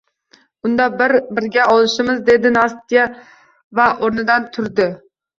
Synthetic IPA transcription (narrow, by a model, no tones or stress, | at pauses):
ʊnd̪ɑbɪɾbɪɾɡʲɛɑlˠɨʃɪmɨzd̪ed̪ɪnɑst̪ija | væʔoɾnɨd̪ɑnt̪ʰʊɾd̪ɪ